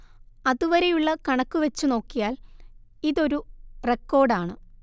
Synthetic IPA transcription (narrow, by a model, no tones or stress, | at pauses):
ɐðuʋɐɾe̞juɭːɐkɐɳɐkːuʋɐt͡ɕːuno̞ːkːijaːliðo̞ɾurekːo̞ːrɖaːɳɨ